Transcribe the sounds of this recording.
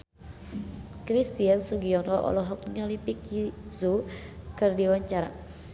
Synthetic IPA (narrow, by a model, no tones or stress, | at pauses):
kɾist̪iansuɡiɔnɔʔɔ̰lɔɦɔk̚ŋalipikizukɨrdiwaɲt͡ʃaɾa̰